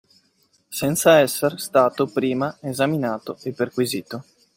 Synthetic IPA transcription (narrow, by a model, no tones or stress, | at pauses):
sɛnt̪saɛsːerst̪aːt̪opɾiːmaezaminaːt̪oepːerkwiziːt̪o